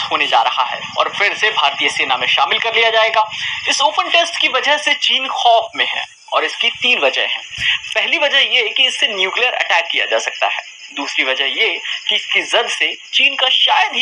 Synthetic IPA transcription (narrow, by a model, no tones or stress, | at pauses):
ɦoːned͡ʒa̰ːɾɐɦa̰ɦɛ̰ːɔ̰ːɾfɪɾsebʱaːɾt̪ijəseːnamẽʃa̰ːmɪlkɐɾlijad͡ʒaːeːɡaːɪsoːpənʈesʈkiʋɐd͡ʒəɦset͡ʃiːnxɔːfmẽɦɛ̰̃ː | ɔːɾɪskit̪iːnʋɐd͡ʒəḛ̃ɦɛ̰̃ːpɛɦliʋɐd͡ʒəɦjekiɪsːenjuːklijəɾɐ̰ʈɛːkːija̰d͡ʒa̰ːsɐk̚t̪a̰ɦɛ̰ː | d̪uːsɾiʋɐd͡ʒəɦjekiɪskizɐd̪set͡ʃiːnkaʃaːjəd̪ɦ